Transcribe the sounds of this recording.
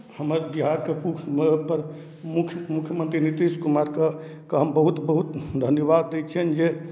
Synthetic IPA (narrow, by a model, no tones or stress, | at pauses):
həməɾbiɦaɾkekupəɾ | mukʰmukʰjəmənt̪ɾinit̪iskumaɾke | kambəɦut̪bəɦut̪d̪ʱənjəβad̪ːet͡ʃʰɛnd͡ʒe